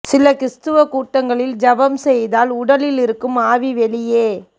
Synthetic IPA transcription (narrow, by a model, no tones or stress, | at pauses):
sɪlɐkɾɪst̪ɯʋɐkuːʈːɐŋɡɐɭɪld͡ʒɐbɐmsɛjðaːlʊɽɐlɪlɪɾɯkːɯmaːʋiʋɛɭɪjeː